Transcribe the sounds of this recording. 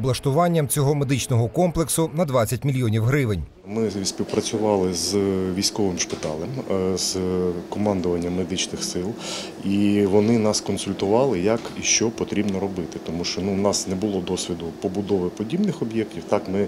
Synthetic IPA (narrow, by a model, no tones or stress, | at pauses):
blˠɐʃt̪ʊʋɑnʲːɐmt͡sʲɔɦɔmed̪ɪt͡ʃnɔɦɔkɔmplˠeksʊnɐd̪ʋɑt͡sʲːɐtʲmʲilʲjɔnʲiwɦɾɪʋɪnʲ | mɪsʲpʲiwpɾɐt͡sʲʊʋɑlˠɪzʋʲijsʲkɔʋɪmʃpɪt̪ɑ̰lˠɛmz̥kɔmɑnd̪ʊʋɐnʲːɐmːed̪ɪt͡ʃnɪxsɪlˠ | iʋɔnɪnɑskɔnsʊlʲt̪ʊʋɑlˠɪjɐkiʃt͡ʃɔpɔt̪ɾʲibnɔɾɔbɪt̪ɪt̪ɔmuʃt͡ʃɔnunɑsnɛbʊlˠɔd̪ɔsʲʋʲid̪ʊpɔbʊd̪ɔʋɪpɔdʲibnɪxɔbjɛk̚tʲiwt̪ɑkmɪ